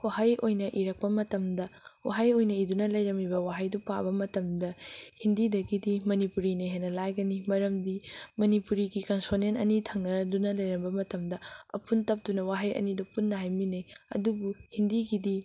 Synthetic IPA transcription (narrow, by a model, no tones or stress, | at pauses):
wahajʔojnɐʔiɾɐk̚pɐmɐtɐmdɐwa̰ɦajojnɐidunɐlɐjɾɐmibɐwaɦajdupa̰bɐmɐtɐmdɐhindidɐɡidimɐnipuɾineɦejnɐlajɡɐnimɐɾɐmdimɐnipuɾiɡikɐnsonenɐ̰nitʰɐŋnɐdunɐlɐjɾɐmbɐmɐtɐmdɐɐ̰pʰuntɐp̚tunɐwaɦajɐ̰nidupunːɐɦajminejɐ̰dubuhindiɡidi